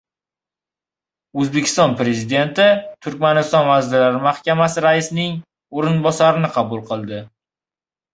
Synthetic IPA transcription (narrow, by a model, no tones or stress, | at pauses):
ɵzbe̞kʲʰɪst̪ɒnpɾe̞zid̪e̞nt̪ɪt̪ʰʊɾkʲmanɪst̪ɒnvazlɪlaɾɪmahkʲamasɪɾaɪsnɪŋ | oɾɪnbɒsaɾɪnɪqʰɑbʊlˠqʰɨlˠd̪ɪ